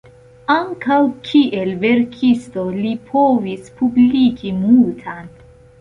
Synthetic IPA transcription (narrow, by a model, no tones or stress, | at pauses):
aŋkawkʰiʔe̞lve̞ɾkʰisto̞lipʰovispublikimultʰan